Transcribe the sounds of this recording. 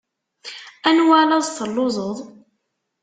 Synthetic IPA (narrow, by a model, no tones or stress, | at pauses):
ænwalɑðθəlːozˤəðˤ